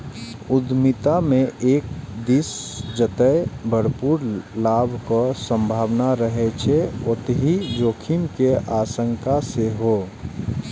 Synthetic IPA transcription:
ʊd̪mɪt̪amẽʔeːk̚d̪isd͡ʒət̪əebʱəɽpuːɾlaːbʱkosə̃mbʱaːʋnaɾəɦet͡ʃʰeot̪ɦid͡ʒoːkʰimkeʔaːsəŋkaseɦo

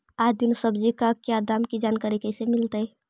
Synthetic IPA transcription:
aːd͡ʒd̪ɪnsəbd͡ʒikakjad̪aːmkid͡ʒaːnkaɾikəisemɪlt̪əɛ

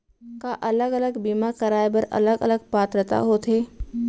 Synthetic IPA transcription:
kaʔɐləɡələɡbiːmakɐɾaːjbəɾɐ̰ləɡə̰ləɡ̚paːt̪ɾət̪a̰ɦoːt̪ʰɦeː

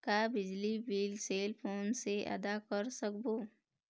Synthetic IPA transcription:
kabɪd͡ʒlibiːlseːlpʰoːnseʔə̰d̪akəɾsəkboː

